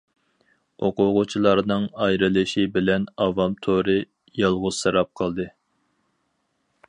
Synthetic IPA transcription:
oqʊʁʊt͡ʃʰilˠɑɾnɨŋɑjɾɨlɪʃibɪlɛnɑvɑmt̪ʰoɾɨ | jɑlˠʁʊz̥sɨɾɑp̚qʰɑlˠd̪ɨ

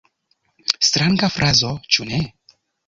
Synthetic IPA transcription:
stɾaŋɡafɾʔazo̞t͡ʃune̞

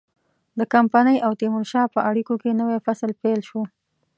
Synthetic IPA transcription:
d̪əkampanəjʔawt̪imʊɾʃɑpəʔaɽikokenəwafasəlpelʃo

